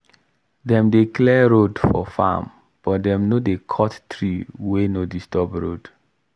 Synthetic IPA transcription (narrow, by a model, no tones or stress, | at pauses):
dɛ̃mdeklɛɹodfɔ̰fa̰m | b̥ɔtdɛ̃mnodekʰɔttɹiwenodistɔbɹo̰d